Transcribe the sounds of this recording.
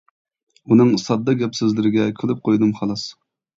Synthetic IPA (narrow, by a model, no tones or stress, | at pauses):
unɨŋsɑd̪ːɑɡʲɛpsɪzlɪɾɪɡʲɛkʲʰylɪp̚qʰojd̪ɨmχɑlˠɑs